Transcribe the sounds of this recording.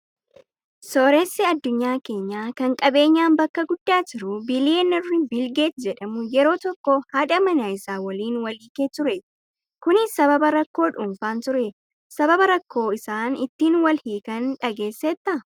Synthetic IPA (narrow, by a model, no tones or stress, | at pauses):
soːɾeːsːɪɐd̪ːʊɲːaːke̞ːɲːaːkɐŋkʼɐbe̞ːɲːaːnbɐkːɐɡʊd̪ːaːd͡ʒɪɾʊbɪlɪjeːnɐrːɪbɪlɡe̞ːt̪d͡ʒɛᶑɐmʊjɛɾo̞ːt̪ɔkːɔhɐᶑɐmɐnaɪsaːwɐliːnwɐliːkeːt̪ʊɾɛ | kʊnɪsɐbɐbɐɾɐkːo̞ːᶑʊmfaːnt̪ʊɾe | sɐbɐbɐɾɐkːo̞ːɪsaːnɪt̪ːiːnwɐlhiːkɐnᶑɐɡe̞ːsːɛt̪ːɐ